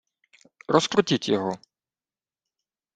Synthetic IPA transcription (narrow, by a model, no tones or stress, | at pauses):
ɾɔskɾʊtʲitʲjɔɦɔ